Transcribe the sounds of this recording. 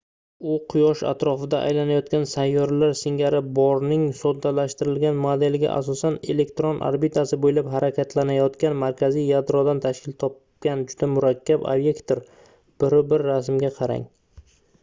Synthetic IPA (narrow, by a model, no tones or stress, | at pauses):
ʊqʰʊjɒʃa̰t̪ɾɒfɪd̪aʔa̰jlanajɒt̪̚kʲansajːɒɾlaɾsɪŋɡʲaɾɪbɒɾnɪŋsod̪ːalaʃt̪ɪɾɪlɡʲanmod̪e̞lɡʲa̰ʔa̰s̬ɒsane̞le̞k̚ʲt̪ɾonʔa̰ɾbit̪ʰasɪbojɪlapɦaɾakʲʰat̪ʰlanajɒt̪kʲanmaɾkʲʰazijːad̪ɾɒd̪ant̪ʰaʃkʲɪlt̪ʰɒp | kʲand͡ʒʊd̪̥amʊɾakʲʰːaba̰bje̞kt̪oɾ | b̥ɪɾʊbɪɾːasmɡʲaqʰɑɾa̰ŋ